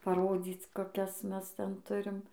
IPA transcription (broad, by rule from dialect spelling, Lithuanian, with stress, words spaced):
pɐˈroːd͡zʲiːt͡s koːˈkʲɛs ˈmʲɛs ˈtʲɛn ˈtʊrʲɪm